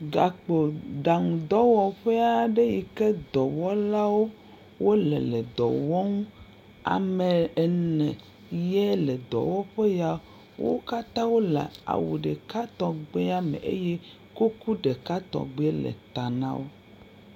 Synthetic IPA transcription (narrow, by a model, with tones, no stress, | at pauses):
ɡa˨k͡po˨ɖa˨ŋu˨d̪ɔ˦wɔ˨ɸe˦a˦ɖe˦ji˨ke˦d̪ɔ˨wɔ˦la˦wo˦ | wo˦lɛ˨le˨d̪ɔ̰˨wɔ˦ŋu˦ | a̰˨me˨ɛ˨nɛ̃˨ | jɛ˦le˨d̪ɔ̰˨wɔ˦ɸe˦ja˨ | wo̰˦ka˦t̪ã˦wo˦lḛ˨a̰˨wṵ˨ɖe˨ka˦t̪ɔ̃˨ɡ͡be˦a˦mḛ̃˨ʔḛ˦jɛ˦ | ku˦ku˦ɖe˨ka˦t̪ɔ̰˨ɡ͡be˦lḛ˨t̪a˨nã̰˦wo˦